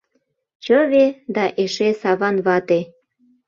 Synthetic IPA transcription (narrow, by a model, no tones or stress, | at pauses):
t͡ɕəβed̪ɑʔeʃesɑβɑnβɑt̪e